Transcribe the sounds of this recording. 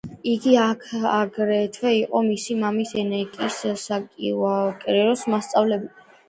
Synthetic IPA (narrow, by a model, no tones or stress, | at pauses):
iɡiaaɡɾɛt̪ʰwɛiqʼɔmisimamisɛnɛkʼisakʼḭakʼɾɛɾɔsmast̪sʼavlɛb